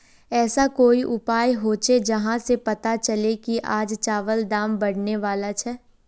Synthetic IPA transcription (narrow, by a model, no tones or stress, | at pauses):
ɛːsakoːiʔʊpaːjɦoːt͡ʃed͡ʒɐɦãsepɐt̪at͡ʃɐlekiʔaːd͡ʒt͡ʃaːʋəld̪aːmbɐɽneʋaːlat͡ʃʰɛː